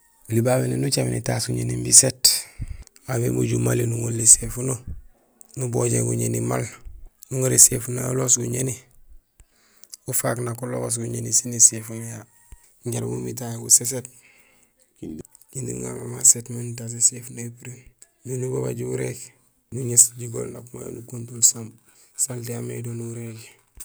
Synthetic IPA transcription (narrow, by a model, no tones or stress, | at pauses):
ulibabenenut͡ʃaminitasɡuɲḛnimbiset | abḛmṵɟumalinuŋulːisefuno | nuboɟḛŋɡṵɲenima̰lnuŋuɾesefunoulosɡuɲeni | ufaknakuloos̬ɡuɲenisinisefunja | ɲɟaɾmṵmit̬ajuses̬et̚ | kindḭŋa̰ma̰masetmantas̬esefunoipiɾi | dunuboba̰ɟiuɾek | ɡuɲesɟiɡo̰lnakuma̰jo̰nukuntulsam | saltiamḛdonuuɾeke